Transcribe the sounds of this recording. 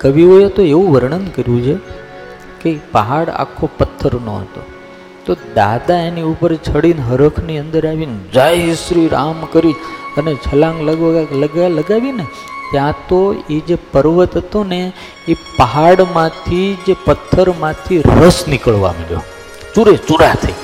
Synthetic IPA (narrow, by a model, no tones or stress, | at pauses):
kəʋiɦojet̪oeʋũʋəɾɳənd̪kəɾjũt͡ʃʰe | keipəɦaɽa̰kʰːopət̪ʰːəɾnõ̰ɦə̰t̪o̰ | t̪od̪a̰d̪aeniupəɾt͡ʃʰəɽinɦəɾəkʰniənd̪əɾaʋind͡ʒajsɾiɾamkəɾiənet͡ʃʰəlãŋɡləɡʋləɡaləɡaʋine | t̪jãt̪oid͡ʒepəɾʋət̪ɦət̪one | ipəɦaɽmãt̪ʰid͡ʒepət̪ʰːəɾmãt̪ʰiɾəsnɪkəɭʋa̰məɽjo̰ | t͡ʃuɾet͡ʃuɽat̪ʰə̰i